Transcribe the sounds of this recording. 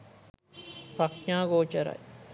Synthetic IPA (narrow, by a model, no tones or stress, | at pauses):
pɐkɲaːɡoːt͡ʃɐɾɐ̰j